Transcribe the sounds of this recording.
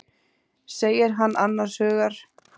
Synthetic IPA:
seːjɪɾɦanːʔanːaɾ̥shœːɣaɾ̥

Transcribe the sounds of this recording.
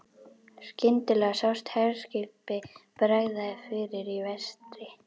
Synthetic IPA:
scɪnt̪ɪlɛɣsawst̪hɛɾ̥scɪlpɪpɾaːjðaɪfɪɾɪɾivɛst̪ɾɪ

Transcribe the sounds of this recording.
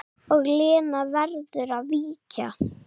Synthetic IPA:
ɔɣlɪːnavɛɾðʏɾavviːca

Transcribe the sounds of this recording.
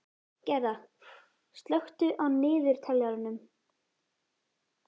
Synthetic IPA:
cɛɾða | st̪lœxt̪ʏʔaðnɪːðɪɾ̥t̪ʰɛlaɾʏnʏm

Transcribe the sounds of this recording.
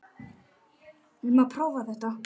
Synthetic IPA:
ɪmapʰɾaːwvaθɛht̪a

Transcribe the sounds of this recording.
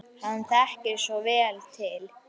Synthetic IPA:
hanθɛhcɪɾsɔvɛːlt̪ʰɪl

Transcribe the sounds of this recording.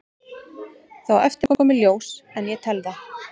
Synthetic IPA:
θawɛft̪ɪɾkɔkɔːmɪljoːwsɛnjɛt̪ʰɛlða

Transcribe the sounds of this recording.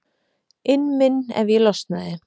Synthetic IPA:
ɪnmɪnːɛ̰ɾvilɔst̪naðɪ

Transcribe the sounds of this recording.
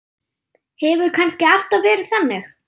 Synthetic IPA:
hɛvʏɾ̥kʰanscɪal̥t̪avvɛːɾɪðθanːɪx

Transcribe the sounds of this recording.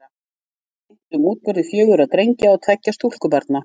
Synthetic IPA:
t̪ʏmuːt̪̚pœɾðɪfjœːɣʏɾaðt̪ɾejɲcaat̪ʰɛcːast̪ul̥kʏpaɾt̪na

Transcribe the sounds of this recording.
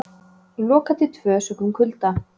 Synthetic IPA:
lɔːkat̪ʰɪt̪ʰvœːsœkʏmkʰʏlt̪a

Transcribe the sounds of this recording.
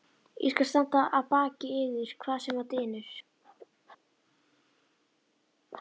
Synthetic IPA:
jʔɛ̰skalst̪an̥t̪aʔaðpaːcɪɪːðɪɾ̥kʰvaːðsɛmat̪ɪːnʏɾ̥

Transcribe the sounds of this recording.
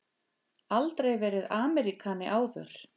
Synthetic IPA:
alt̪ɾejvɛːɾɪðaːmɛɾikʰaːnɪʔaːwðœ̰ɾ̥

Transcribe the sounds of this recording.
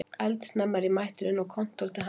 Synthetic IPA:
ɛlt̪snamːaɾɪmajht̪ʏɾɪnɔkʰɔn̥t̪ɔlt̪ɪɦa

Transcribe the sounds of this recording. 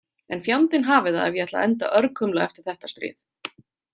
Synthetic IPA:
ɛnfjawnt̪ɪnɦaːvɪða̰ðɛvjɛɛht̪la̰ʔɛnt̪a̰ʔœɾkʰʏmlaɛft̪ɪɾ̥θɛht̪ḁst̪ɾɪ̰ːð

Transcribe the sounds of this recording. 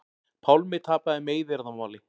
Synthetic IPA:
pʰawlmɪt̪ʰaːpaðɪmeːjðɪɾaðamaːwlɪ

